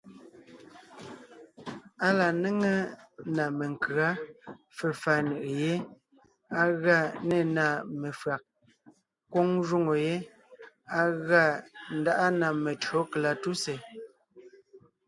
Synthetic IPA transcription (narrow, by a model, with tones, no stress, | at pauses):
a˦la˨ne˦ŋe˦na˨me˨ŋ˨kɯ˨a˦ | fe˨fa˨nɯ˨ʔe˨je˦ | a˦ɣa˦˨ne˦˨na˨me˨fɰa˨k̚ | kwo˦ŋʒu˦ŋo˨je˦ | a˦ɣa˦˨n̩˨˦da˦ʔa˦na˨me˨tɰo˨˦kla˨tu˦se˨